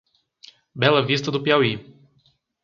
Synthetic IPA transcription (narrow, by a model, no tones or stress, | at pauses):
bɛlˠəvist̪əd̪ʊpjawi